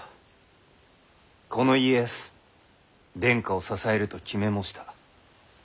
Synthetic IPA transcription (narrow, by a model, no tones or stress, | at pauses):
ko̞no̞iesɨ̥ | d̪ẽ̞ŋkao̞sasae̞ɾɯ̟t̪o̞kʲime̞mo̞ɕi̥t̪ʰḁ